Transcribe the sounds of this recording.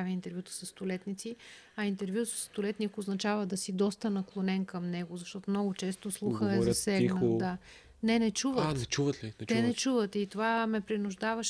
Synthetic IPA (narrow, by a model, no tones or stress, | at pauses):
avʲiint̪ɛɾvʲjut̪ə̥sɐsːt̪ʊlɛt̪nit̪si | ɐint̪ɛɾvjusɐ̥sːt̪ʊlɛt̪nikoznɐt͡ʃavəd̪ɐsid̪ɔst̪ənɐklˠonɛnkɐmnɛɡʊzɐʃt̪ɔt̪omnɔɡʊt͡ʃɛst̪oslˠuxəɛzɐsɛlɛnəd̪a | nɛnɛt͡ʃuvənɛt͡ʃuvət̪lit͡ʃt̪ɛnɛt͡ʃuvət̪it̪ovamɛpɾinʊʒd̪avəʃ